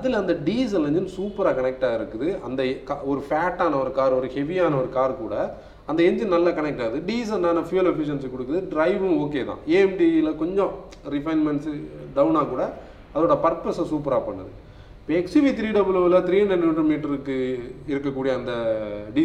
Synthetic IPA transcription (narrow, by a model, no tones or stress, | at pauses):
ɐðɪlɐnd̪ɐɖiːs̬ɐlɛɲd͡ʒɯnsuːpɐɾaːkɐnɛk̚ʈaːɪɾɯkːɯðɯɐnd̪ɐkaɔɾɯfaːʈːaːnɐɔɾɯkaːɾɔɾɯhɛʋiaːnɐɔɾɯkaːɾkṵːɽɐ | ɐnd̪ɐɛɲd͡ʒɯnnɐlːakɐnɛk̚ʈaːðɯɖiːs̬ɐlnaːnɐfijɐlɛfɪʃ̬ɐnskɔɽɯkːɯðɯɖɾɐɪʋɯ̃oːkːeːt̪ã̰ːeːɛmɖilɐkɔɲd͡ʒɔ̃ | ɾɪfɐɪnmɛɳʈsɖɐʊnaːkuːɽɐ | ɐðɐɾoːɽɐpɐɾpɐsɐsuːpɐɾaːpɐɳːɐ̰ðɯ̰ | pːoɛksiʋit̪ɪɾiːɖɐbɯloːʋɪlɐt̪ɪɾiːɛnɐnɳɖrɐmiːʈɐɾɯkːɯɪɾɯkːɐkːuːɽijɐɐnd̪ɐɖiː